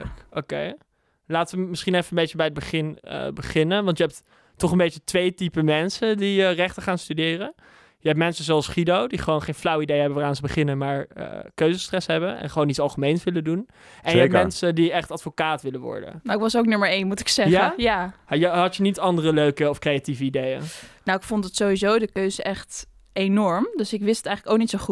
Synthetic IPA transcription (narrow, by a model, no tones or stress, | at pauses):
okḛj | laːtəʋəmɪsχinɛfəənbejt͡ʃəbɛjəd̚bəχɪnə̰bəχɪnənʋɑntjəɦɛp̚t | tɔχənbejtətʋejtipəmɛnsəndiərɛχtəχaːnstydɪːrə | jəɦɛp̚tmɛnsəzɛlˠsχidowdiχəʋownχejnflawəidejɦɛbəʋaːraːnzəbəχɪnəmaːɹə̰køɥzəstrɛsɦɛbənɛ̰nχəʋownitsɑlˠχəmejnsʋɪlədun | ʔɛnjəɛp̚mɛnsədiɛχtɑtfokaːtʋɪləʋɔ̰ɹdə̰nnowɪkʋɑsowk̚nøməɹejnmutɪ̥ksɛjaːəajəɦɑtjənitɑndərəløɥkəɔfkrejativəidejə̰nnowɪkfʊntdətsowizowdəkøɥzəʔɛχt | ejnɔɹmdøsɪkʋɪsttɛjχələkowk̚nitsoχu